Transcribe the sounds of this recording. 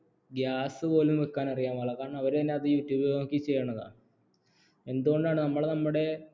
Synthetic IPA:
ɡjaːsɨpo̞ːlumʋekːaːnɐrijaːmʋɐɭːɐkaːɳɐʋɐɾet̪ɐnːe̞ɐðɨjuːtːjuːbɐɐmikːit͡ɕːejːɐɳːɐða̰ːɳ | e̞nd̪uɣo̞ɳɖaːɳɨnɐmːɐɭnɐmːuɽe̞

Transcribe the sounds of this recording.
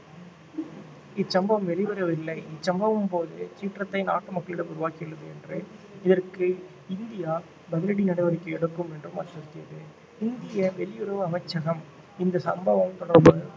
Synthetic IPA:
ɪt͡ʃːɐmbɐʋɐmʋɛlɪʋɐɾɐʋɪlːɐɪɪt͡ʃːɐmbɐʋɯmpoːðɯt͡ʃiːʈrɐt̪ːɐɪna̰ːʈːɯmɐkːɐɭɪɽɐmʊɾʊʋaːkːɪʋɪɽɯðɯɛndrɯɪðɐrkɯ | ɪnd̪ɪjaː | bɐðɪɾɐɽinɐɽɐɪʋɐɾɐkːɯɛɽɯkːɯmɛndrɯmɐ̰ɾʈːɪɾɯk̪ːɪɾɐðɯ | ɪnd̪ɪjɐʋɛlɪjʊɾɐʋɯɐmɐɪt͡ʃːɐɣɐm | ɪnd̪ɐsɐ̰mbɐʋɐmt̪ɔɽɐɾbɯ

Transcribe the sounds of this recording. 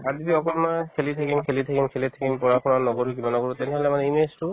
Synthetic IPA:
adidiɔkɔlmakʰelit̪ʰakinkʰelit̪ʰakinkʰelit̪ʰakimpɔɹakʰɔnaɹnɔɡɔɹuk̬imanɔɡɔɹut̪ɛnɛɦɔlɛmanɛinʋestu

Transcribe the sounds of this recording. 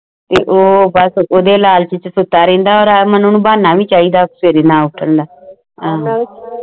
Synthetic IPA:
t̪eːʔoːbəsoːd̪eːlaːlt͡ʃət͡ʃsʊt̪ːaːɾɛ̃ːnd̪aːɔːɾamənoːnũːbaːnaːʋĩːt͡ʃaːiːd̪aːseːɾeːnãːʊʈʰənd̪aː | ɦãː

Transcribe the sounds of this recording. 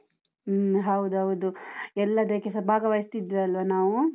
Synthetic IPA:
ɦɐwd̪uɦɐwd̪uɛlːɐd̪eːkɛsɐbʱaːɡɐʋajist̪id̪ʋiɐlʋɐnaːʋu

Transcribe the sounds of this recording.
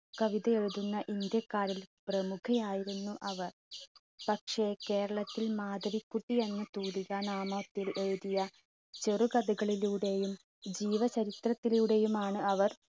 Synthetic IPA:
kɐʋiðɐeɻuðunːɐʔind̪jɐkːaːɾilprɐmukʰɐjaːjiɾunːuʔɐʋɐr | pɐkʂe̞ke̞ːɾɐɭɐt̪ːilmaːd̪ɐɾikːuʈːijenːɐt̪uːðiɣɐnaːmot̪ːilʔeɻuðijɐ | t͡ɕeruɡɐd̪uɣɐɭiluɽe̞jum | d͡ʑiːʋɐt͡ɕɐɾit̪rɐt̪ːiljuɽe̞jumaːɳɨɐʋɐr

